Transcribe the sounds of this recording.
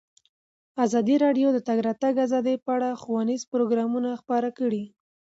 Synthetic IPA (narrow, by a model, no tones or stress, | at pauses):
azɑd̪iɾɑɖjod̪ət̪aɡɾɑt̪aɡazɑd̪əjpəaɽaxuwanizpɾoɡɾɑmunaxpɑɾakəɽi